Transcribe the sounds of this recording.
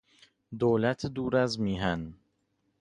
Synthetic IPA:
d̪oːlæt̪ʰd̪uːɾæzmiːɦæn

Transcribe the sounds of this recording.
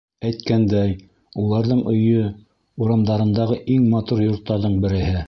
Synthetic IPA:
æjt̪̚kænd̪æj | ulˠɑɾðɤɴʔɵ̆jɵ | uɾɑmd̪ɑɾɤ̆nd̪ɑʁɤʔiŋmɑt̪uɾjŏɾt̪ːɑɾðɤɴbɘ̆ɾɘ̆hɘ

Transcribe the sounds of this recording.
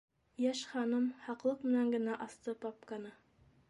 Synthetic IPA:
jæʃχɑnɤmhɑqlˠɤqmɘ̆næŋɡɘ̆næʔɑst̪ɤpɑp̚kɑnɤ

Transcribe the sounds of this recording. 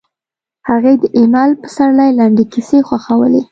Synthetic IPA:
haɣed̪əʔemɑlpə̥saɾlajlaɳɖekisexwaxawə̰le

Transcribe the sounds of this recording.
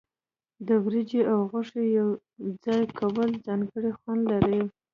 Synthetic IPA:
d̪əwɾid͡ʒeawɣʊʂejaw | d͡zɑjkʰawəld͡zɑŋɡəɽixwand̪laɾə

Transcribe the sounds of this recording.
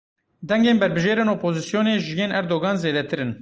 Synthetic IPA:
d̪ɛŋɡeːnbɛɾbɨʒeːɾeːnoːpʰoːzisjoːneːʒɪjeːnʔɛɾd̪oːɡɑːnzeːd̪ɛt̪ʰɨɾɨn

